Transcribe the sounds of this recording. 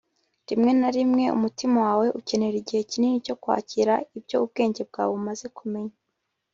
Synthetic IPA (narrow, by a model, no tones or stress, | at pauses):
ɾimŋe̞naɾimŋe̞ṵmutimawaːwe̞ʔuce̞ne̞ɾiɟihe̞ciniɲico̞kwa̰ːciɾaibjo̞ub̚ɡe̞ːɲɟe̞b̚ɡa̰ːweumaze̞kume̞ɲa